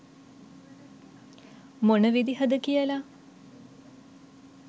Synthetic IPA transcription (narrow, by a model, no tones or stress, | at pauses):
monəʋid̪iɦəd̪əkijəla